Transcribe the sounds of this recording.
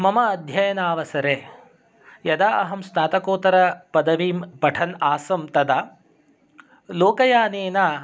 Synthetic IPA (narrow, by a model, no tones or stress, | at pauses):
mɐmɐːd̪ʱjɐjɐnaːʋɐsɐɾeː | jɐd̪aːʔɐɦɐmsnaːt̪ɐkoːt̪ɐɾɐpɐd̪ɐʋimpɐʈʰɐnaːsɐmt̪ɐd̪ɐ | loːkɐjaːneːnaː